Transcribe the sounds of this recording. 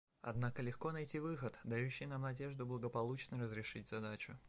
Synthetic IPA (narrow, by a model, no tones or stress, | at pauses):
ɐ̰d̪nakəlʲɪxko̞nɐjtʲivɨxət̪d̪ɐjuɕːɪjnamnɐdʲe̞ʐd̪ʊblˠəɡəpɐlˠut͡ɕnəjɾəzɾʲɪʂɨtʲz̥ɐd̪at͡ɕʊ